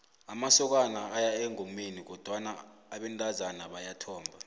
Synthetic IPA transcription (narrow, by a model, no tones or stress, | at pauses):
amasɔk̬anaːjaɛŋʱomenik̬ɔd̥ʱwanaːɓɛntʼazanaɓajatʰɔːmbʱa